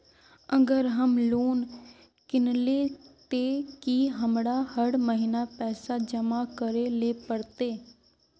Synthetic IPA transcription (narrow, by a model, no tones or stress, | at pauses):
əɡəɾɦəmloːn | kɪnleːt̪eːkiɦəmɽahəɽməɦɪnapɛːsad͡ʒəmakəɾeleːpəɽt̪eː